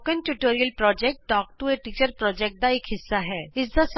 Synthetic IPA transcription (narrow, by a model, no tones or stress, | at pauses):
kə̃nʈuʈoːɾijəlpɾɔːd͡ʒɛk̚ʈ̚ɖɔːk̚ʈueʈiːt͡ʃəɾpɾɔːd͡ʒɛːk̚ʈ̚d̪aeːkɦɪsːaɦɛːɪsd̪as